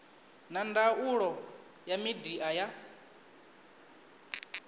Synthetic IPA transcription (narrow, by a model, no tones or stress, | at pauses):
nandauɺɔ | jamidiʔaja